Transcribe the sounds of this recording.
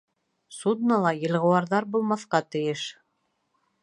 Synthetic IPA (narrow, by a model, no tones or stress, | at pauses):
sud̪nɑlˠɑjɤ̆lˠʁɤ̆wɑɾðɑɾbulˠmɑθqɑt̪ɘ̆jɘʃ